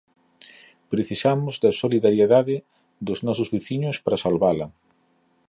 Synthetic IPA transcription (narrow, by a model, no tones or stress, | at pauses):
pɾeθisamʊzd̪ɐsoliðaɾjeðaðɪ | d̪ʊznɔsʊzβeθiɲʊspɾɐsalβalɐ